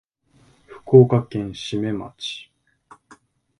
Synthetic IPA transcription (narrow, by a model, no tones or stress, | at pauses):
ɸɯ̥ko̞ːkakẽ̞ɰ̃ɕime̞ma̰t͡ɕi̥